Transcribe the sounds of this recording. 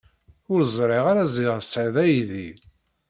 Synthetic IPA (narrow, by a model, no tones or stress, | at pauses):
ʊɾzˤɾˤeʁaɾæziʁəsʕiðæjði